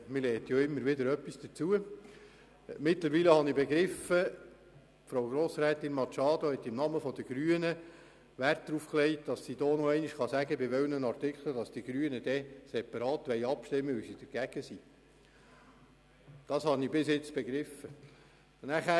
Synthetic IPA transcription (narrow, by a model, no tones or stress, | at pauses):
mɪlɛːt̪joɪmːəɾʋɪdəɾœpːisd̥ət͡suə | mɪtləɾʋiːləhɑnibeɡɾɪfə | fɾoʊwɡɾoːsɾæːt̪ɪnmɑt͡ʃɑːd̪ohɛt̪ːɪmnɑməfɔd̥̪əɡ̥ɾyːənə | ʋært̚d̥̪ɾufklɛɪtd̥ɑsːid̥̪oːnoɛɪnɪʃχɑsæɡəbɪʋɛwnənɑrtɪkχləd̥ɑsd̥iɡ̥ɾyənəd̥̪ɛsɛpɑɾɑːt̪ʋɛɪɑpʃtɪmːəʋysid̥əɾɡ̥æɡ̥əsiː | d̥ɑshɑnibɪsɪt͡sb̥eɡɾɪfːə | næχæː